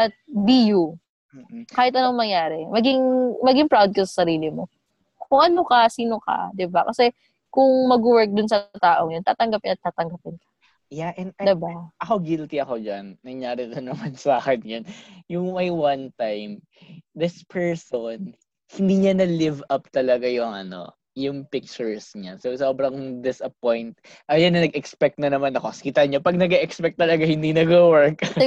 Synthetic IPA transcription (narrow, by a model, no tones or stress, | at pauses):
ʔɐt̪̚biːju | kaːhɪt̪ɐnoŋmɐŋjaːɾɛmɐɡɪŋmɐɡɪŋpɹawd̪̚kɐsɐ̥sɐɾiːlɪmo | kʊŋʔɐnokɐsiːno̞kɐ̰d̪ɪbakɐsɛ | kʊŋmɐɡ̚ʊwɛɹk̚d̪ʊnsɐt̪aːʔoŋjont̪a̰ːt̪ɐŋɡɐpɪnɐt̪ːaːt̪ɐŋɡapɪnkɐ̥ | jaʔɛnd̪ɪbaʔɐko̞ɡɪlt̪ɪɐko̞d͡ʒɐ̰nːɐŋjaːɾɪd̪onɐmansaːkɛnjɐnjʊŋmɐjwɐnt̪ajm | d̪ɪspʰɛɹson | hɪnd̪iːɲɐnɐlɪvɐp̚t̪ɐlɐɡajʊŋɐ̰no̞̰ | jʊŋpɪk̚t͡ʃʊɹsɲasowsoːbɾɐŋd̪ɪsɐpojnt̪̚ | ʔɐjanːɐnɐɡɛkspɛk̚t̪̚nɐnɐmanɐko̞skɪt̪ɐɲopɐɡ̚nɐɡɛʔɛkspɛk̚t̪ːɐlɐɡahɪnd̪inɐɡowɛɹk